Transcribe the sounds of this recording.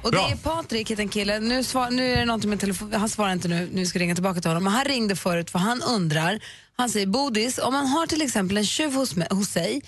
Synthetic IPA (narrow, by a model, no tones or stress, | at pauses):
ɔd̪ɛæɾpʰɑːt̪ɾɪkheːt̪ɛnkʰɪlːənʉ̟ːsvɑːnʉ̟ːæɖɛnɔnt̪̬ɪŋmɛt̪ʰːɛlɛfːhansvɑːɾaɾɪnt̪ənʉ̟ːnʉɾvɪskaɾɪŋːat̪ɪlbɑːkat̪ɪlhɔnːɔmɛnɦanɾɪŋːd̪əfœːɾʉ̟ːt̪vaɦanɵnd̪ɾaɾ | hansɛjːəɾbuːd̪ɪsɔ̰mːanɦaʈʰɪlɛksɛmpəlɛnɕʉ̟ːvhʊshʊsːɛj